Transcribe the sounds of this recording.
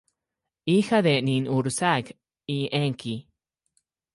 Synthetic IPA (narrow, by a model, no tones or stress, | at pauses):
ixad̪eninuɾsak | iʔeŋki